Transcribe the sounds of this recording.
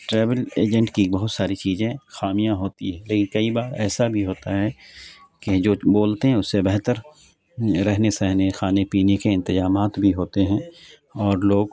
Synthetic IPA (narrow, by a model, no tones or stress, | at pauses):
ʈɾɛːʋəleːd͡ʒə̃ɳʈkibɐɦʊt̪saːɾit͡ʃiːzẽxaːmijãɦoːt̪iɦɛ̃leːkɪnkɐibaːɾɛːsabʱiɦoːt̪aɦɛ | ked͡ʒoːboːlt̪eɦɛ̃ʊsːebɛɦt̪əɾ | ɾɛɦnesɛɦnexaːnepiːnekeɪ̃nt̪ɪzaːmaːt̪bʱiɦoːt̪eɦɛ̃ | ɔːɾloːɡ